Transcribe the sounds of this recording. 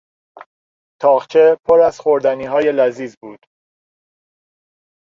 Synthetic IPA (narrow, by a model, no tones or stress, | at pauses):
t̪ʰɒːʁt͡ʃʰe̞pʰoɾæz̥χoɾd̪æniːɦɒːje̞læziːzbuːd̪̥